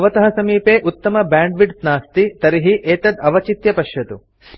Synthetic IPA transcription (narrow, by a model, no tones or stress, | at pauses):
ɐʋɐt̪ɐɦɐsɐmiːpeːʔut̪ːɐmɐbaːɳɖʋiʈsnaːst̪it̪ɐɾiɦiʔeːt̪ɐd̪ɐʋɐt͡ʃit̪jɐpɐʃjɐt̪u